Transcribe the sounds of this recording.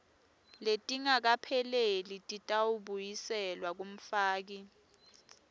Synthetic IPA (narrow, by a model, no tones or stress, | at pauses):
letʼiŋak̬apʰɛlelitʼitʼawuɓujisɛlwak̬um̩faːk̬i